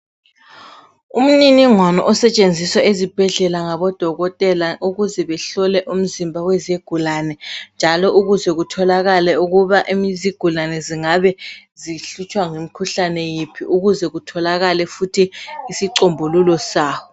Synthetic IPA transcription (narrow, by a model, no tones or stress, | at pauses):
um̩niniŋwanɔ̰ʔɔsɛt͡ʃʼend͡zʱiswaezib̥ʱɛɮɛlaŋaβɔd̥ʱɔɣɔtʼɛlaʔuɣuzɛβɛɬɔlɛʔum̩zimbʱawɛzeɡ̥ʱulanɛnd͡ʒʱalɔʔuɣuzɛɣutʰɔlaɣalɛuɣuβaʔemiziɡ̥ʱulanɛziŋaβɛziɬut͡ʃʼwaŋemikʰuɬanɛjipʰiʔuɣuzɛɣutʰɔlaɣalɛfutʰiːsiǀombʱululɔsaːwɔ